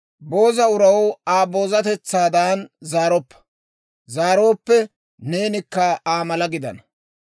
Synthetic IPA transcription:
bo̞ːzɐʊɾɐwaːbo̞ːzɐt̪ɛt͡sːaːd̪aːnzaːɾɔpːɐ̥ | zaːɾo̞ːpːɛ | ne̞ːnɪkːɐaːmɐlɐɡɪd̪ɐ̰nɐ

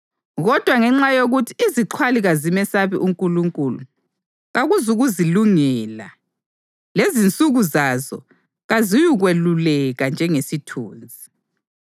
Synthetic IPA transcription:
ɣɔd̥ʱwaŋɛŋ͡ǁajoɣutʰiiziǃʰwaliɣazimɛsaβiʔuŋkʼuluŋkʼulu | ɣaɣuzuɣuziluŋɛla | lezint͡sʼuɣuzazɔ̰ | ɣazijuɣwelulɛɣand͡ʒʱɛŋesitʰṵːnd͡zʱi

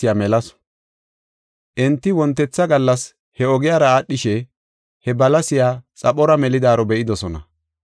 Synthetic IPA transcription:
ɪjamɛlɐs | ʔɛnt̪ːɪwɔnt̪ːɛt͡sːɐɡɐlːɐs | hɛɔɡɪjaːɾɐaːɗːɪʃɛ | hɛbɐlɐsɪjaːt͡sʼɐpːɔɾɐmɛlɪd̪aːɾɔbɛʔɪd̪ɔsɔnɐ̰

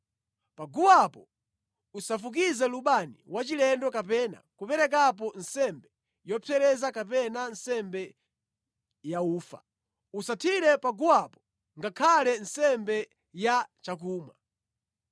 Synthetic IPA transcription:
paɡuwapɔ | usafuk̬izɛluɓaniwat͡ʃilɛndɔkapɛna̰kupɛɾɛk̬ap̬ɔnsɛmbɛ | jɔpʰɛɾɛzakap̬ɛnansɛmbɛ | jauːfa̰ | usatʰiɾɛpaɡuwapɔ̥ | ŋɡakʰalɛnsɛmbɛ | jat͡ʃak̬uːma

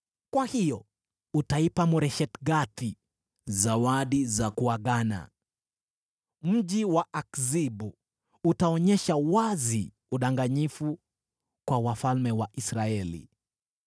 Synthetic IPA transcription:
kwahijɔ | utaipamɔɾɛʃɛtɡati | zawaɗizakuaɠana̰ | m̩ʄiwaʔakzibu | utaɔɲɛʃawazi | uɗaŋɡaɲifu | kwawafalmɛwaʔisɾaɛlḭ

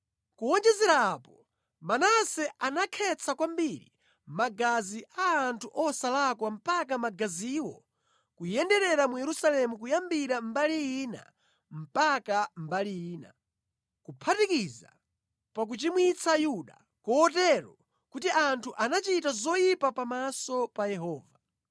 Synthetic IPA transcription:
kuɔnd͡ʒɛzɛɾaːpɔ | manasɛanakʰɛt͡sʰakwambiɾḭ | maɡaziʔaːntʰuʔɔsalakwam̩pak̬amaɡaziwɔ | kujɛndɛɾɛɾamujɛɾusalɛmukujambiɾambalijiːna̰ | m̩pakambalijiːna̰ | kupʰatikiza̰ | pak̬ut͡ʃimwit͡sʰajuɗa̰ | kɔːtɛɾɔ | kutiʔantʰuʔanat͡ʃitazɔjipapamasɔpajɛɦɔːva

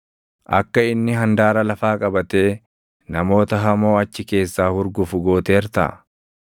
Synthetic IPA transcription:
ʔɐ̰kːɐɪnːɪɦɐnd̪aːɾɐlɐfaːkʼɐbɐt̪e̞ː | nɐmo̞ːt̪ɐɦɐmoːɐt͡ʃːɪke̞ːsːaːhʊɾɡʊfʊɡo̞ːt̪eːɾt̪ɐ̰ː

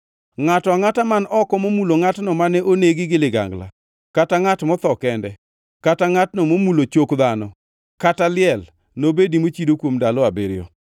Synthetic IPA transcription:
ŋatɔaŋatamanɔkɔmomuloŋatnɔmanɛʔoneɡɪɡɪlɪɡa̰ŋɡla̰ | kataŋatmɔt̪ɔkɛndɛ | kataŋatnɔmomulot͡ʃokd̪anɔ | katalɪɛl | nobedimot͡ʃidokwomdalɔabeɾɪjɔ̰

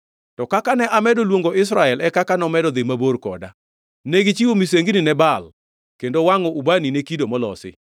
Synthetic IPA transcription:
tɔkakanɛʔamɛdolwoŋɡoɪs̬ɾaɛlɛkakanɔmɛdɔd̪emaborkɔ̰da | neɡit͡ʃiwomiseŋɡininɛbal | kendowaŋɔubaninekidomɔlɔ̰sɪ̰

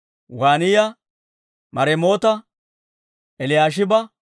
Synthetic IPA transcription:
waːnɪjɐ | mɐɾɛmo̞ːt̪ɐ | ɛlɪjaːʃ̬ɪbɐ

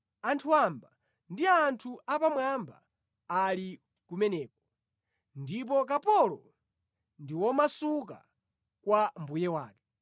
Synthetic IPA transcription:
antʰuamba | ndiantʰuʔapamwamba̰ː | li | kumɛnɛːk̚ɔ | ndip̬ɔk̬apɔlɔ | ndiwɔmasuka̰ | kwambujɛwaːkɛ

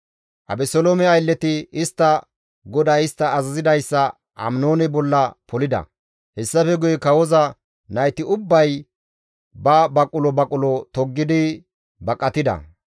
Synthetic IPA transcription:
ʔɐ̰bɛsɔlomɛɐjlːɛt̪ɪɪst̪ːɐ | ɡɔd̪ɐjɪst̪ːɐːzɐzɪd̪ɐjsːɐ | ʔɐ̰mnoːnɛbɔlːɐpʰɔlɪd̪ɐ̰ | hɛsːɐfɛɡʊjɛkɐwɔzɐ | nɐjt̪ɪʊbːɐj | bɐbɐkʼʊlɔbɐkʼʊlɔt̪ɔɡːɪd̪ɪ | bɐkʼːɐt̪ɪd̪ɐ̰

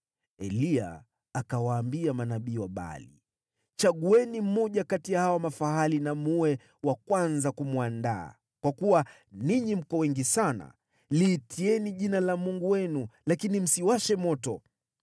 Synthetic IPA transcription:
ɛlia̰ː | kawaːmbiamanaɓiːwaɓa̰lḭ | t͡ʃaɠuɛnim̩mɔʄakatijahawamafahalinamuwɛ | wakwanzakumwanda̰ː | kwakuwa | niɲim̩kɔwɛŋɡisana̰ | liːtʰiɛniʄinalamuŋɡuwɛnulakinim̩siwaʃɛmɔtɔ

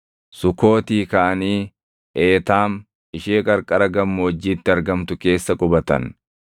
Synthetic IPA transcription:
sʊko̞ːt̪iːkɐʔɐniː | ʔeːt̪aːm | ɪʃeːkʼɐɾkʼɐɾɐɡɐmːʊɔd͡ʒːiːt̪ːɪɐɾɡɐmt̪ʊke̞ːsːɐkʼʊbɐt̪ɐ̰n

